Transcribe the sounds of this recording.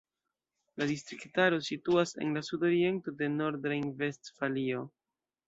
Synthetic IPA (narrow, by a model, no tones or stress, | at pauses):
ladistɾiktaɾo̞situase̞̰nlasudo̞ɾie̞nto̞de̞no̞ɾdɾajnve̞stfalio̞